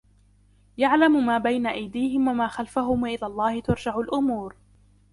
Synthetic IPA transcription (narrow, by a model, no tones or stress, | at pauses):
jaʕlamʊmaːbajnaʔajd̪iːɦɪmwamaːxalfaɦʊmʔɪlaːlˤːɑːhɪt̪ʊɾˤd͡ʒaʕʊlʔʊmuːɾ